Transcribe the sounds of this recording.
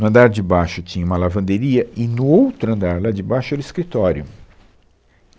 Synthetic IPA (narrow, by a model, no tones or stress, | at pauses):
nʊɐ̃nd̪aɾd͡ʒɪbaʃʊt͡ʃĩɲɐũmɐlavɐ̃nd̪eɾiɐʔɪnʊowt̪ɾʊɐ̃nd̪aɾlad͡ʒɪbajʃʊɛɾʊiskɾit̪ɔɾjʊ